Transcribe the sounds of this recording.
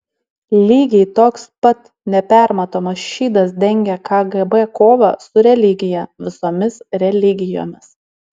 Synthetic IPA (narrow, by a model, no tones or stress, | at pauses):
lʲiːɡʲɛɪt̪oːkspɐt̪ | nʲɛpʲæˑɾmɐt̪oːmɐsʃʲiːd̪ɐs̬d̪ʲɛŋʲɡʲɛkɑɡɛbɛkoːʋɐ̰sʊɾʲɛlʲɪɡʲɪjɛʋʲɪsoːmʲɪsɾʲɛlʲɪɡʲɪjo̰ːmʲɪs